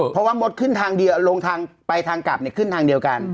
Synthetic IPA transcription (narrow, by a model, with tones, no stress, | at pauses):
pʰɔ˧˥waː˥˩mo˦˥t̪̚kʰɯ˥˩nt̪ʰaː˧ŋdi˧ɐwlo˧ŋt̪ʰaː˧ŋpa˧jt̪ʰaː˧ŋka˨˩p̚ni˧˩ɐkʰɯ˥˩nt̪ʰaː˧ŋdi˧əwka˧n